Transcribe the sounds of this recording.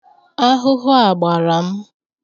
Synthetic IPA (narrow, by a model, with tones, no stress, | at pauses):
a˦ɦʊ˦ɦʊ˦a˨ɡ͡ba˨ɾa˨m̩˦